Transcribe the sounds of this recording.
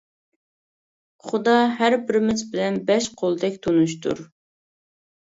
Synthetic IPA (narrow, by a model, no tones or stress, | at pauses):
χud̪ɑɦæɾbɪɾmɪt͡ʃbɪlɛnbɛʃqʰolˠd̪ɛkʲt̪ʰonuʃt̪ʰṵɾ